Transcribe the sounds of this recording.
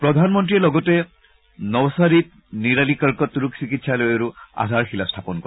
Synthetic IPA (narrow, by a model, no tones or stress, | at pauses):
pɹɔd̪ʱanmɔntɹiɛlɔɡɔtɛ | nɔwsaɹit̚ | niɹalikəlkɔt̪ːuɹukʰsikitsalojeɹua̰dʱaɹxilastʰapɔnkɔ